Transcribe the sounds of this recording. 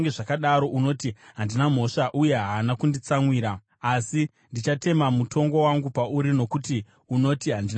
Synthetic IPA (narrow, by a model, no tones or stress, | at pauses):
ŋɡeʐakaɗaɾo̞ʔuno̞ːtiɦandinam̤o̞ʂaʔuje̞ɦaːnakundit͡samwiːɾaː | si | ndit͡ʃate̞mamutʰo̞ŋɡo̞waŋɡupauɾino̞kuti | uno̞tiɦandin